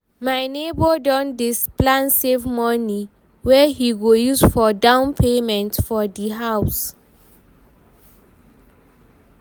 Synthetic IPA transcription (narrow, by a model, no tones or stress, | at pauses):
maɪnebɔdɔ̃ndisplãnsevmɔni | wɛhiɡojusfɔdãʊ̃npʰemɛ̃ntfɔdiɦaws